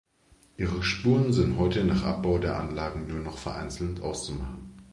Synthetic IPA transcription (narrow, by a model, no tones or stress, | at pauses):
ʔiːʁ̞əʃpuːʁənzɪntɦɔʏtənaːχʔa̰p̚b̥aʊdeːɐʔa̰nlaːɡŋ̩nuːɐnɔχfɛɐʔa̰ɪnt͡sl̩ntʔaʊst͡sumaχn̩